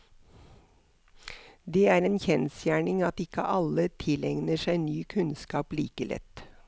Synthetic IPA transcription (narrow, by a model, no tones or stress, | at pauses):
d̪eːæːɾeːnçɛnsjæːɳɪŋɑt̪ɪkə̰ʔɑlət̪ʰɪlɛŋnəʃæɪnyːkʰʉnskɑːplḭːkəlʔɛ̰t̪